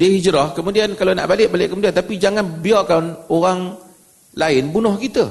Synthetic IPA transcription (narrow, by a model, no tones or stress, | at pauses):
diəɦid͡ʒɾɔhkəmudiankalona̰ʔbalɪʔ̚balɪʔkəmudiant̪apid͡ʒaŋanbiakanoɾaŋ | laɪnbunʊhkit̪ə